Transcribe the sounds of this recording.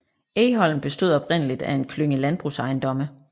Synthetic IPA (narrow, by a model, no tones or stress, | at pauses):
eːɦɒ̽l̰m̩b̥e̝sd̥o̝ðˠɒ̽b̥ʁen̰əlid̥æe̝nkʰløŋəlænb̥ʁusɑ̈ɪnd̥ɒ̽mə